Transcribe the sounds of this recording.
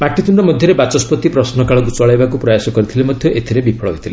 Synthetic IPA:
paʈit̪uɳɖɔmɔd̪ʱjɔɾebat͡ʃɔspɔt̪ipɾɔsnɔkaɭɔɡut͡sɔɭajbakupɾɔjasɔkɔɾit̪ʰilemɔd̪ʱjɔʔet̪ʰiɾebipʰɔɭɔɦojt̪ʰile

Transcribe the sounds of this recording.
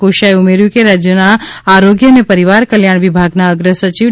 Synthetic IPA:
oʃaeʊmeɾjukeɾad͡ʒjənaaːɾoːɡjənẽpɐɾɪʋaːɾkəljaːɽ̃ʋɪbʱaːɡnaəɡɾəsət͡ʃiʋ

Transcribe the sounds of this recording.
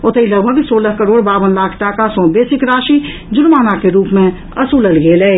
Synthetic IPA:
ʊt̪əiləɡbʱəɡsoːləɦkəɾoːɽbaːʋənlaːkʰʈakasɔ̃ːbeːsɪkɾaːʃi | d͡ʒʊnmaːnakeɾuːpmẽ | ɐsuːləlɡeːlɛː

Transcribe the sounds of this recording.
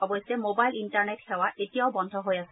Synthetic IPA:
ɔbɔjsɛmobajlintaɹnetxɛwaʔetijaʊbɔnd̪ʱɔɦojasɛ

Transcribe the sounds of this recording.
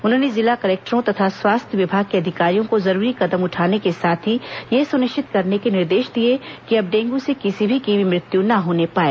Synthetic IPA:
ʊnɦõːnezɪlakɐɾeːk̚ʈəɾõt̪ɐt̪ʰaswaːst̪ʰjəʋɪbʱaːɡ̚keɐd̪ʱɪkaːɾijõkozɐɾuːɾikɐd̪əmʊʈʰaːnekesaːt̪ʰijesʊnɪʃt͡ʃɪt̪kɐɾnekenɪɾd̪eːʃd̪iekiɐb̚ɖẽːŋɡũsekɪsibʱikiʋimɾɪt̪junɐɦoːnepaːeː

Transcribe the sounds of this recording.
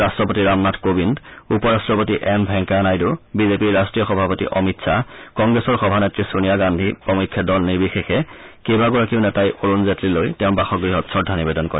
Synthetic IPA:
astɹɔpotiɹamnatʰkobindupɔɹastɹɔpotiʔɛmbʱɛŋkanajdʊbizepiɹastɹijɔxɔbʱapotḭʔɔmitsʰakɔŋɡɹɛsɔɹxɔbʱanetɹisunijaɡandʱipɔmikʰːɔdɔlniɹbixexɛkebaɡɔɹakiʊnɛtajʔoɹunzetɹilojtɛʊ̃nbaxɔɡɹiɦɔtsɔɹdʱːanibedɔnkɔɹɛ

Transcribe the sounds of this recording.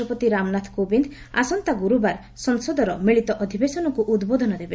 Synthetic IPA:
ɔpɔt̪iɾamnat̪ʰkobind̪ | a̰sɔnt̪aɡuɾubaɾ | sɔnsɔd̪ʱɔɾɔmiɭit̪ɔʔɔd̪ʱibesɔnɔkuʔud̪bod̪ʱɔnɔd̪ebe

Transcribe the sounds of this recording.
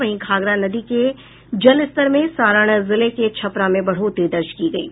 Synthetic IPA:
ɐɦĩkʰaːɡɾanɐd̪ike | d͡ʒɐlɪst̪əɾmẽsaːɾəɽ̃zɪleket͡ʃʰɐpɾamẽbɐɽ̤ot̪id̪ɐɾʃkiɡɐḭː

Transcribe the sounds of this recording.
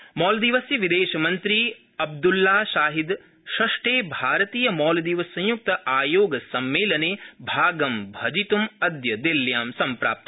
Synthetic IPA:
mɔːld̪iʋɐsjɐʋid̪eːʃɐmɐnt̪ɾiː | ɐb̚d̪ulːaːʃaːɦid̪ | ʃɐʂʈeːbʱaːɾɐt̪iːjɐmɔːld̪iʋɐsːɐ̃j̃juk̚t̪ɐʔaːjoːɡɐsɐmːeːlɐneːbʱaːɡɐmbʱɐd͡ʒit̪umɐd̪jɐd̪iljaːmsɐmpɾa̰ːp̚t̪ɐ

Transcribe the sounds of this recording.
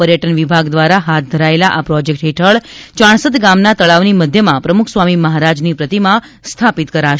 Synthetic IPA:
pəɾjəʈənʋibʱaɡd̪ʋaɾaɦat̪̚ʰd̪ʱəɾaelaʔapɾɔd͡ʒek̚ʈɦeʈʰəɭt͡ʃãɳ̃səd̪ɡamnat̪əɭaʋniməd̪ʱjəmãpɾəmukʰsʋamiməɦaɾad͡ʒnipɾət̪imã | st̪ʰapit̪kəɾaʃ

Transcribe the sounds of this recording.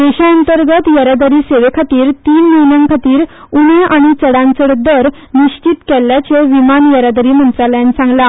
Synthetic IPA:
d̪eɕaənt̪əɾɡət̪jəɾad̪əɾiːseʋekʰat̪iːɾt̪iːnməinaŋkʰat̪iːɾ | uɳeʔaɽ̃it͡səɽãnt͡səɽd̪əɾ | niɕt͡ɕit̪kɛlːjat͡seʋimanjəɾad̪əɾiːm̤ənt͡saljanisãŋɡla

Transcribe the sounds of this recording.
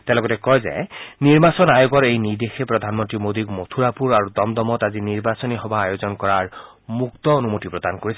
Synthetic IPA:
tɛ̃lɔɡɔtɛkɔjzɛ̰niɹbasɔnajoɡɔɹejnidexepɹɔdʱanmɔntɹimod̪ikmotʰuɹapuɹaɹudɔmdɔmɔtaziniɹbasɔniɦɔbaːjozɔnkɔɹaɹ | muktɔonumotipɹɔdankoɹisɛ

